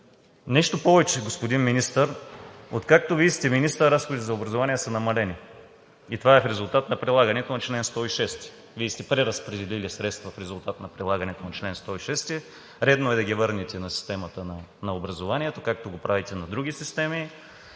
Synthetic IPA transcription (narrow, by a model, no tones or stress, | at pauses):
nɛʃt̪opɔvɛt͡ʃɛɡospod̪inminist̪əɾot̪kak̚t̪ovid̪ist̪ɛminist̪əɾɐɾasxod̪it̪ɛzɐobɾɐzovanijɛsənɐmɐlɛni | it̪ovaɛfɾɛzʊlˠt̪at̪nɐpɾilˠaɡənɛt̪onɐt͡ʃlɛnst̪ɔiʃɛst̪ɛ̥ | vid̪ist̪ɛpɾɛɾɐspɾɛd̪ɛlilisɾɛt̪st̪vɐfɾɛzulˠt̪at̪nɐpɾilˠaɡɐnɛt̪onɐt͡ʃlɛnst̪ɔiʃɛst̪ɛ | ɾɛd̪noɛd̪ɐɡʲivɤɾnit̪ɛnɐsi̥st̪ɛmɐt̪ənɐnɐobɾɐzovanʲiɛt̪okak̚t̪oɡopɾavit̪ɛnɐd̪ɾuɡʲisist̪ɛmi